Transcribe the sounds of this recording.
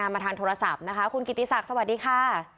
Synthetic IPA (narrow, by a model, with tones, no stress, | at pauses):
aː˧maː˧t̪ʰaː˧ŋt̪ʰo˧ɾa˧sa˨˩p̚na˦˥kʰa˦˥kʰu˧nki˨˩t̪ːi˦˥sa˨˩k̚sa˧wa˨˩diː˧kʰaː˧˥˩